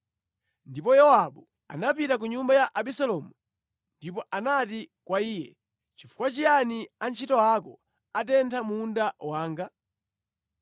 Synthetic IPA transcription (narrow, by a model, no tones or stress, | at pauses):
ndipɔjɔwaɓu | a̰napitak̬uɲumbajaʔaɓisalɔːmu | ndipɔʔanatikwaiːjɛ̰ | t͡ʃifu̥kwat͡ʃijaniant͡ʃʰitɔakɔ | atɛntʰamundawaːŋɡa